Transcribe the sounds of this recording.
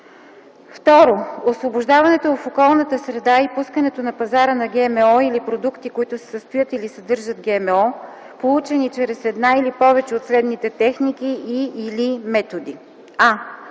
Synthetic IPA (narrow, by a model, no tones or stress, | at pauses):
ft̪ɔɾoosvoboʒd̪avɐnɛt̪oofokɔlˠnət̪əsɾɛd̪aipuskənɛt̪onɐpɐzaɾənɐɡɛmɛɔilipɾod̪ukt̪ikoit̪ʊsɛ̥səst̪ojət̪ilisɐd̪ɤɾʒət̪ɡɛmɛɔ | polˠut͡ʃɛnit͡ʃɾɛsɛd̪nailipɔvɛt͡ʃɛot̪slɛd̪nit̪ɛt̪ɛxnikiiʔːlimɛt̪od̪i | a